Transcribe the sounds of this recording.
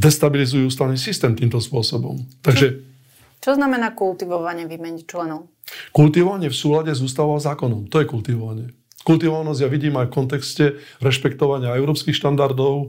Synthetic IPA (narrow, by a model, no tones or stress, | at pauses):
d̪ɛst̪abilizujuuːst̪aʋniːsist̪ɛːmt̪iːmt̪ɔspʊɔsɔbɔ̰mt̪aɡʒɛ | t͡ʃɔznamɛnaːkult̪iʋɔʋaɲɪɛʋiːmɛɲit͡ʃlɛnɔʊ | kult̪iʋɔʋaɲɪɛfsuːlaɟɛzuːst̪aʋaazaːkɔnɔmt̪ɔjɛkult̪iʋɔʋaɲɪɛ | kult̪iʋɔʋanɔzɟjaʋiɟiːmajfkɔnt̪̬ɛkscɛɾɛʃpɛkt̪ɔʋaɲɪaɛʊɾɔːpskixʃt̪and̪aɾd̪ɔʊ